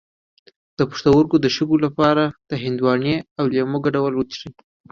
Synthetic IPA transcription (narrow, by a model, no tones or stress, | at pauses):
d̪̥əpu̥ʂt̪awəɾɡod̪əʃəɡolapɑɾad̪̥əɦɪnd̪wɑneawlemoɡaɖawəlwət͡ʃʂi